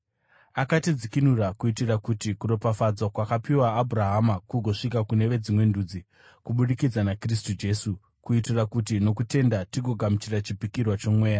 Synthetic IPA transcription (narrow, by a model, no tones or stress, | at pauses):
akatid͡zikinurakuitirakutikuɾo̞pafad͡zwakwakapiwaːbʱuraɦamakuɡʱo̞ʂikakune̞ʋe̞d͡zimwe̞nduːd͡zi | kuɓuɗikid͡zanakris̬tud͡ʒe̞su | kuitirakutino̞kute̞ndatiɡʱo̞ɡʱamit͡ʃirat͡ʃipikirwat͡ʃo̞mwe̞ːja